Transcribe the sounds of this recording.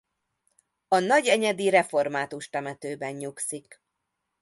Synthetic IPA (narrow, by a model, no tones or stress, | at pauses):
ɒnɒɟɛɲɛd̪iɾɛfo̞rmaːt̪uʃt̪ɛmɛt̪øːbɛɲɲuksik